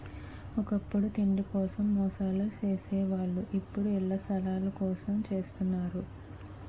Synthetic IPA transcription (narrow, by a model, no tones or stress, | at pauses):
ɔkɐpːuɽut̪iɳɖikɔːsɐmːɔːsaːlut͡ʃe̞ːseːʋaːɭːuʔipːuɽuɛɭːɐst̪ʰɐlaːlɐkɔːsɐmt͡ʃe̞ːst̪unːaːɾu